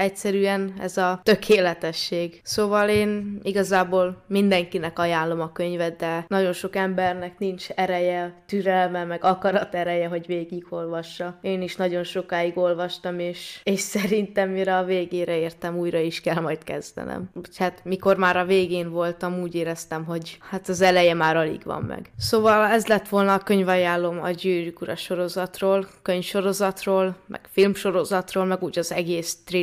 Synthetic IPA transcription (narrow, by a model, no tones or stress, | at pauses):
ɛcsɛɾyɛnɛ̰zɒt̪ø̞kʰeːlɛt̪ɛʃːeːɡsoːvɒleːniɡɒzaːboːlmind̪ɛŋkinɛkɒjaːnlːo̞mɒkø̞ɲvɛd̪̚d̪ɛnɒɟo̞nʃokɛmbɛrnɛknint͡ʃɛɾɛjɛt̪yɾɛlmɛmɛɡɒkɒɾɒt̪ɛɾɛjɛɦo̞ɟveːɡiɡo̞lvɒʃːɒeːniʃnɒɟo̞nʃo̞kaːjiɡo̞lvɒʃt̪ɒmeːʃeːʃsɛɾint̪ɛmːiɾɛɒveːɡeːɾɛeːrt̪ɛmuːjɾɒiʃkɛlmɒjt̪kɛzd̪ɛ̰nɛ̰muchat̪miko̞rmaːɾɒveːɡeːnvo̞lt̪ɒmuːɟeːɾɛst̪ɛmɦo̞ɟhat̪ɒzɛlɛjɛmaːɾɒlḭɡʋɒ̰mːɛ̰ɡsoːvɒlɛzlɛt̪ːʋo̞lnɒːkøɲvɒjaːlːomɒ̰ɟyːɾykuɾɒ̰ʃo̞ɾo̞zɒt̪roːlkøɲfʃo̞ɾo̞zɒt̪roːlmʔɛ̰kfilmʃo̞ɾo̞zɒt̪roːlmɛɡuːɟɒzɛɡeːst̪ri